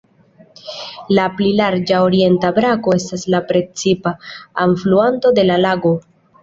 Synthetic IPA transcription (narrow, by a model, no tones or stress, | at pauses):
laplilaɾd͡ʒao̞ɾie̞ntabɾako̞e̞staslapɾe̞t͡sipaːɱfluanto̞de̞lalaɡo̞